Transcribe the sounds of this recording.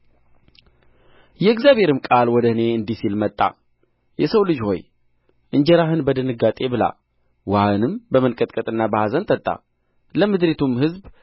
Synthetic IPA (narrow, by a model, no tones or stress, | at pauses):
jɛːɡzjaβhe̞ɾɨmkʼalwɔd̪əhɨne̞ɨnd̪isilmət̪ʼːa̰ | jɛsəwlɨd͡ʒho̞̰j | ʔɨɲd͡ʒɛɾaɦɨnbəd̪ɨnɨɡat̪ʼe̞bɨla̰ | wahɨnɨmbəmənkʼət̪ʼkʼət̪ʼɨnːabəhazənt̪ʰət̪ʼːa̰ | ləmɨd̪ɾet̪ʰumhɨzb